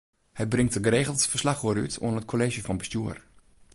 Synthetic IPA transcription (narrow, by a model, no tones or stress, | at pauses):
hətbrɪŋtəɡəɾeːɣəlˠtfərslaχoɾy̰tʰo̰ənət̚kʰoleːʒəfɑnbəstjuːər